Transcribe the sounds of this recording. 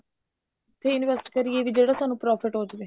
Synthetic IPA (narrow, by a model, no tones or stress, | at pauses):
t̪ʰːeːɪnʋɛsʈkəɾieːʋiːd͡ʒeːɽaːsaːnũːpɾɔːpʰɪʈɦoːd͡ʒʋeː